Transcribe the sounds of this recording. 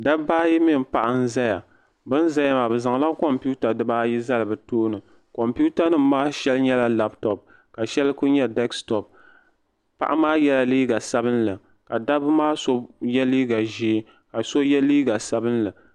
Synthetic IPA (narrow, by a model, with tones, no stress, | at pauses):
da˦baː˦ji˦mɪ˦˨m˨pa˨ʔa˦n˦za˦ja˨ | bɨ˦n˦za˦ja˦ma˨bɛ˨za˨ŋ˨la˦kɔ˨mpu˦ta˨dɨ˦baː˦ji˦za˦lɨ˨bɨ˨toː˦nɨ˨ | kɔ˨mpu˦ta˦nɨ˦m˦maː˦ʃɛ˦lɲɛ˦la˦la˦ptɔ˨p̚ | ka˨ʃɛ˦lkʊ˦ɲɛ˦dɛ˦kstɔ˨p̚ | pa̰˨ʔa˦maː˦jɛ˦la˦liː˦ɡa˨sa˦bɨ˦nlɨ˨ | ka˨da˦bɨ˦maː˦so˦jɛ˦liː˦ɡa˨ʒi˨˦ | ka˨so˦jɛ˦liː˦ɡa˨sa˦bɨ˦nlɨ˨